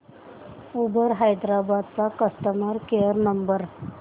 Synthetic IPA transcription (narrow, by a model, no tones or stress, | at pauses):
ubəɾɦajd̪ɾabad̪̚t͡sakəst̪əmaɾkejəɾnəmbəɾ